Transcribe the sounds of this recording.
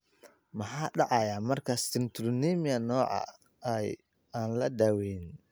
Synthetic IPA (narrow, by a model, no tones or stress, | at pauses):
mɐħɑːɖɑʕɑjaːmɐrkʰɐst̪ɪnt̪ʰʊɾnimɪɐnɔːʕɑ̰ | ɛj | aːnlɐd̪awɛn